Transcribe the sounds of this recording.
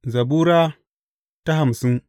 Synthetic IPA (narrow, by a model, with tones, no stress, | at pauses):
za˨bu˦ɾa˦ | ta˦ɦa˨msu˦n